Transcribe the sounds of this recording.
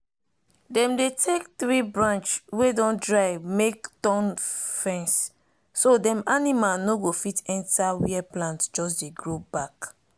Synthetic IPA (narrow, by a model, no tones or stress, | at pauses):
dɛ̃mdetʰek̚θɹibɹãnt͡ʃswedɔ̃ndɹaɪmektɔ̃nfɛ̃nsː | odɛ̃manimalnoɡofitɛ̃ntawiɛplãntd͡ʒɔs̬deɡɹobak